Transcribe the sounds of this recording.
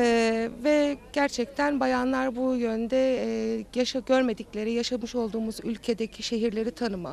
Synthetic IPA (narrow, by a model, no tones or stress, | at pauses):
vɛɟ̥æɾt͡ʃʰɛc̚t̪ʰænbajanlˠaɾbujønd̪ɛjaʃaɟøɾme̞d̪iclʲe̞ɾijaʃamɯʃo̞lˠd̪uːmuzylʲcʰe̞d̪ecʰiʃe̞ɦiɾlʲe̞ɾit̪ʰanɯma̰